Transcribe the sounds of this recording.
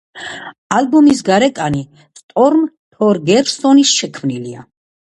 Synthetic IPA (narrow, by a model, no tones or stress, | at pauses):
albumis̬ɡaɾɛkʼani | st̪ʼɔɾm | t̪ʰɔɾɡɛɾsɔnisʃɛkʰmnilia̰